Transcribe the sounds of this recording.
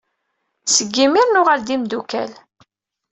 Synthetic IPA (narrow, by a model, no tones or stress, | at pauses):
səɡːimiɾnʊʁald̪imd̪ukæ̰l